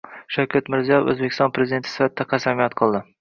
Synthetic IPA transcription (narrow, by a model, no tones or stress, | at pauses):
ʃawkʲʰat̪mɪɾzijɒjefɵ̰zbekʲʰɪst̪ɒnpʰɾezid̪ent̪ʰɪsɪ̥fat̪̚ʰɪːaqʰasamijat̪qʰɨlˠd̪ɪ